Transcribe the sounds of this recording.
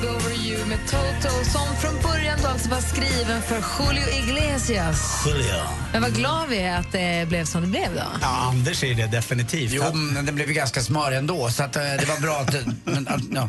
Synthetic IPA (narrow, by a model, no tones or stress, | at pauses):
ɡovəɾjʉmɛt̪ʰot̪ʰɔlsɔmfɾɔnbœɾjand̪oːalt̪sɔvaskɾiːvənfœɾɧʊːlɪʊɪɡleːsɪas | ɧʊlɪʊ̰ | mɛnvaɡlɑːvɪat̪̚d̪ɛblɛvsɔmd̪ɛblɛvd̪ɔ̰jɑːand̪əʂæɾjəd̪ɛd̪ɛfɪnɪt̪ʰiːftjuːmɛnd̪ɛnblɛvjɡanskasmœːɾɛnd̪oːsat̪ːd̪ɛvaɾbɾɑːat̪mɛnajɑː